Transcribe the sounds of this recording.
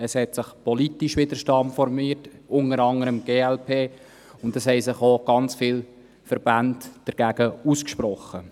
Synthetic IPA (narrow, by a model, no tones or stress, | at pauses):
əshɛtsɪχpʰɔlitiʃʋɪdəɾʃtɑmfɔɾmiːtʊŋəɾɑŋəɾəmɡ̥eːɛlpʰeː | ʊndəshɛɪsɪχoːɡ̥ɑnt͡sfiːl | fəɾb̥æntd̥əɾɡ̥æːɡ̥əuskʃpɾɔχːə